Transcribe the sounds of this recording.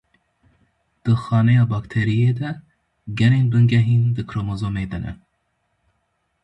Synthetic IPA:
d̪̥ɨxɑːnɛjɑːbɑkt̪ʰeɾijed̪ɛ | ɡɛneːnbɨŋɡɛɦiːnd̪ɨkʰɾomozomed̪ɛnɛ̰

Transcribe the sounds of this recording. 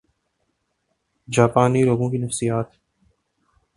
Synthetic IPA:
d͡ʒaːpaːniloːɡõkinɐfsijaːt̪

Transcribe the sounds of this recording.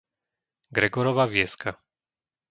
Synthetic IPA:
ɡɾɛɡɔɾɔʋaʋjɛska

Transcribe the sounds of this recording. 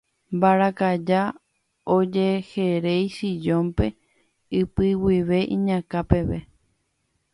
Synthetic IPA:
mbaɾakad͡ʒa | od͡ʒe̞he̞ɾejʃid͡ʒõ̞mpe̞ | ɨpɨwiʋe̞ʔĩɲãkape̞ʋe̞

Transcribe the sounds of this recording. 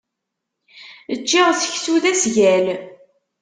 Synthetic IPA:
ət͡ʃːiʁθə̥çsuðæsʝæl

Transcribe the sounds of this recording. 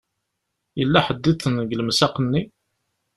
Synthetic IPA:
jəlːæħəd̪ːiθənɡləmsɑqənːi

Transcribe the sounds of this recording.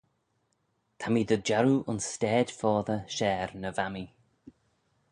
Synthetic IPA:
t̪ʰamid̪əd͡ʒaɾuʔʊ̰nstɛːd̪̥fɔːðəʃɛːɹnəvami

